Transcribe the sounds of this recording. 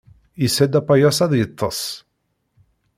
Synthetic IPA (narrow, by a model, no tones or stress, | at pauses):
isæd̪æpːajæsæðˤjət̪ˤːə̰sˤ